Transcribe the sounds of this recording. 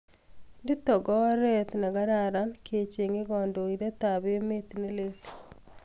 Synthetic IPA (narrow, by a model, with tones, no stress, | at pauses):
ndi˦tɔ˨ɡɔ˦ɾɛt̪na˨ɡa˦ɾaɾa˦nkʰe˨t͡ʃe˨ŋe˦ɡɔ˨ndo˨i˨de˦ta˨βeo˦me˦t̪ine˦lel